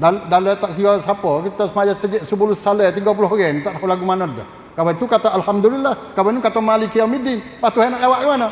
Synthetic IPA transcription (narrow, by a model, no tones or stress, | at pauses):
daldalət̪aʔkiɔsapɔkit̪ɔsəmajasəd͡ʒɛʔsəpulusalət̪iɡap̬ulɔɦɡɛnt̪aʔɦɔlaɡumanɔt̪̚ːə̰ | kawat̪ukat̪aʔalhamd̪ulilːahkawanukat̪amalikijamidinpat̪uhanaʔawaʔkəmanɔ